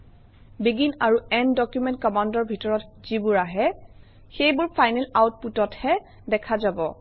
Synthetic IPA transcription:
biɡinaɹuɛndɔkjumɛnt̚kɔmandɔɹbʱitɔɹɔtz̥ibʊɹaɦɛ | xejbʊɹpʰajnɛlawt̚putɔthɛ | dɛkʰazabɔ

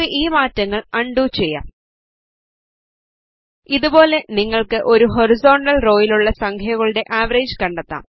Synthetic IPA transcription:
ɨʔiːmaːtːɐŋːɐɭɐɳɖuːt͡ɕe̞jːa̰ːm | iðubo̞ːle̞niŋːɐɭkɨʔo̞ɾuɦo̞ɾizo̞ːɳɖɐlro̞ːjiluɭːɐsɐŋkʰɐjɐɣɐɭɨɽe̞ʔaːʋɐɾeːd͡ʑɨkɐɳɖɐt̪ːa̰ːm

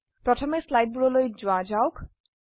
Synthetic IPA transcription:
pɾɔtʰɔmeslajɖ̚buɽɔlojd͡ʒuad͡ʒawk

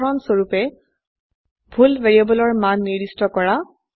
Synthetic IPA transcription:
ɹɔnsoɹupɛ | bʱulveɹiabɔlɔɹmanːiɹdistɔkɔɹa

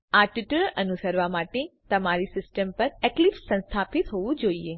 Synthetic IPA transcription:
aʈɪʈəɭənusəɾʋamaʈet̪əmaɾisɪsʈəmpəɾeklifsə̃nst̪ʰapɪt̪ɦoʋũd͡ʒoːie

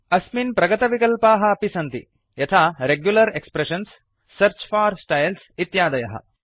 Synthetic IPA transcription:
ɐsminpɾɐɡɐt̪ɐʋikɐlpaːɦɐːpisɐnt̪ḭ | jɐt̪ʰaːɾeɡjulɐɾekspɾeʃɐnsː | ɐɾt͡ʃfaːɾsʈɐjlsit̪jaːd̪ɐjɐɦɐ̰

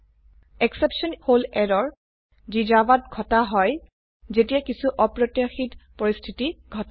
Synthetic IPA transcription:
ɛksepsɔnholɛɹɔɹ | zid͡ʒabatɡʱɔtaɦɔj | zetijakisuʔɔpɹɔtjaxitpoɹistʰitiɡʱɔta

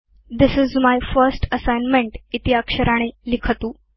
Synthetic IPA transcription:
d̪ɪsɪzmajfəɾsʈəsajnmẽɳʈit̪iakʂəɾʔaɽ̃elikʰət̪uː

